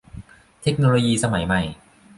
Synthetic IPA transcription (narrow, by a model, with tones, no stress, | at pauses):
t̪ʰe˦˥k̚noː˧loː˧jiː˧sa˧ma˩˦jma˨˩j